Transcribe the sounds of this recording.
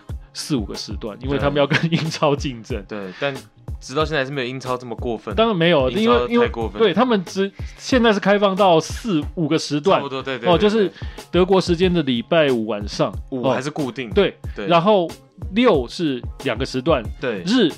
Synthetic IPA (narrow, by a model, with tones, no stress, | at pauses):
sɹ̩˥˩u˨˩ɡə̰˩ʂɻ̩˧˥t̪wa̰˥˩ni˥nwe˥˩ɪt̪ʰa˥mə˨˦jɑ˥˩ʊkə˦ni˥nʈ͡ʂʰɑ˥ʊt͡ɕi˥˩nʈ͡ʂə˥nwe˥˩t̪a˥˨n | ʈ͡ʂɻ̩˨t̪ɑ˥˧ɕɛ˥˧˥me˧˥jo˨˧i˥nt͡sʰɑ˥ʊʈ͡ʂə˥˩mə˨˩kwɔ˥˧fə˨t̪ɑ˥ŋɻa˧˦nme˧˥ɪjo˨ʊi˥nwe˥˩i˥ne˥˧we˥˩ɪt̪ʰa˥mə˨nʈ͡ʂɻ̩˧˥ɕjɛ˥˧nt͡sa˥ɪʂ̬̩˥˩kʰa˥ɪfɑ˥˧ŋt̪ɑ˥˧ʊsɹ̩˥˩u˨˩ɡə˩ʂɻ̩˧˥t̪̬wa˥˨n˧e˥˧ɔ˥˧jo˥˧ʊʂɻ̩˥˩t̪ɤ˧˥k̬wɔ˧˥ʂɻ̩˧˥t͡ɕjɛ˥nd̪ə˨li˨˩pa˥˩ɪu˨˩wa̰˨˩nʂɑ˥˨ŋ˨ɔ˥a˨˧˦ʂ̬ɻ̩˥˧ku˥˧t̪i˥˩ŋt̪we˥˩ɪ˧ɻa˧˥nxo˥˩ʊ | ljo˥˨ʊʂɻ̩˥˩ljɑ˨˩ŋɡə˩ʂɻ̩˧˥t̪wa˥˩n˥˩ɻ̩˥˩